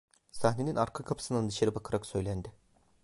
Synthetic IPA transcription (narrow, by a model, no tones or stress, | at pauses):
saxne̞ninaɾkʰakʰapʰɯ̥sɯnd̪and̪ɯʃaɾɯbakʰɯɾaksø̞jlʲænd̪ɪ